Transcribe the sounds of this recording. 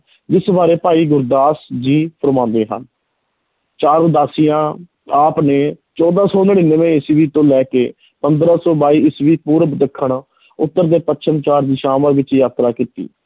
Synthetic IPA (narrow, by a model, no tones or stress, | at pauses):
d͡ʒɪsbaːɾeːpaːiːɡʊɾd̪aːsd͡ʒiːpʰəɾmãːnd̪eːɦə̰n | t͡ʃaːɾd̪aːsiːãː | aːpneːt͡ʃɔːd̪ãːsɔːnəɽiːnəʋẽːɪsʋiːt̪õːlɛːkeː | pənd̪ɾãːsɔːbaːiːɪsʋiːpuːɾbd̪əkʰːəɳ | ʊt̪ːəɾd̪eːpətːʃʰənt͡ʃaːɾd̪iːʃaːməɾʋɪt͡ʃjaːt̪ɾaːkiːt̪ḭː